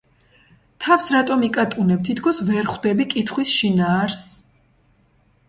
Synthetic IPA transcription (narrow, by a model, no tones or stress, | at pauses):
t̪ʰafsɾat̪ʼɔmikʼat̪ʼunɛp̚t̪ʰit̪ʰkʰɔsvɛɾχwd̪ɛbikʼit̪ʰχwisʃinaːɾs